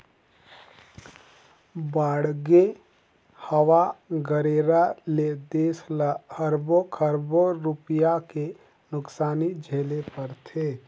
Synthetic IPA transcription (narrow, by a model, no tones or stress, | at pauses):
baːɽɡe | həwaɡəɾeːɾaled̪eːslahəɾbokʰəɾboɾʊpijake | nʊksaːnid͡ʒʱeːlepɐɾt̪ʰeː